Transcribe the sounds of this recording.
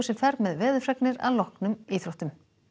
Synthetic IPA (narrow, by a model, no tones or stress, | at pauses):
sɪfɛɾt̪mɛðvɛːðʏfrɛknɪɾa̰ðlɔhknʏmiθɾoht̪ʏm